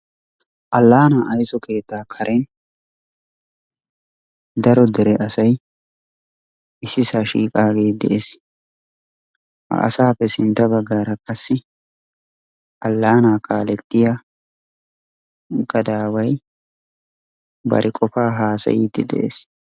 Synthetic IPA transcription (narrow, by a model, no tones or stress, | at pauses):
ʔɐlːaːnaːʔɐjsɔkʰe̞ːt̪ːaːkʰɐɾʔɛn | d̪ɐɾɔd̪ɛɾɛʔɐsɐj | ʔɪsːɪsaːʃḭːkʼaːɡeːd̪ɛʔeːs | hɐ̰ʔɐ̰saːpːɛsɪnt̪ːɐbɐɡaːɾɐkʼɐsːɪ | ʔɐlːaːnaːkʰaːlɛt̪ːɪja | ɡɐd̪aːwɐj | bɐ̰ɾʔɪkʼɔfaːɦaːsɐ̰jiːd̪ɪ̰d̪ɛ̰ʔḛːs